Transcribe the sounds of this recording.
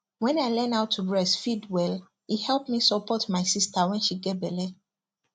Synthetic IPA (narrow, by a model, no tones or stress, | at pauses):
wɛ̃naɪlɛ̃naʊtʰːuɹɛsfidwɛl | ihɛlˠpmisɔpʰɔtmaɪsistawɛ̃nʃiɡɛt̚bɛlɛ